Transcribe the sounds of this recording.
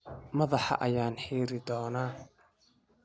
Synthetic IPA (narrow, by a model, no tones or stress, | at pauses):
mɐðɑħɑ̰ʔɐjaːnħiːɾɪd̪ɔːnaː